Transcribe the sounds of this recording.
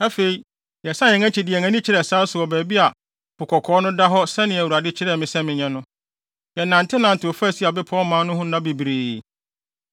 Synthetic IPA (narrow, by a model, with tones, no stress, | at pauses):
ɛ˦fe˨i˨ | jɛ˨sã˦ɛ̃˨ŋɛ̃˦t͡ɕʰi˨dɪ˨ɛ˨ŋã˦nĩ˦t͡ɕʰɪ˦ɾɛ˨saː˦sʊ˨ɔ˨bæ˨bi˦a˨ | pʰʊ˨kʰɔ˨kʰɔː˨˦nʊ̃˦da˦ɦɔ˦sɛ˦nɪ̃˨æ˨u˨a˨dɪ˦t͡ɕʰɪ˦ɾɛ˦˨mɪ̃˨sɛ̃˦mɪ̃˨ɲɛ̃˦nʊ̃˦ | jɛ˨nã˨ntʰɪ˦nã˨n̩˨tʰɪ˨o˨fæ˦˨si˦a˨bɪ˦pʰɔ˦mã˦nʊ̃˦ɦʊ̃˦nã˦bi˨bɾeː˨